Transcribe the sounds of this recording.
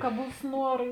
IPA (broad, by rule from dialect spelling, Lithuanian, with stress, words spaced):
kɐ ˈbuːs ˈnuɔrɐ